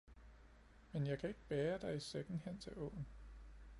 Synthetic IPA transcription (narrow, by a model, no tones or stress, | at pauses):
menjɑ̈ɪkʰæe̝ɡ̥əb̥ɛːɐd̥ɑ̈ɪiseɡ̥n̩hen̰t͡sʰe̝ʔɔ̰ʊn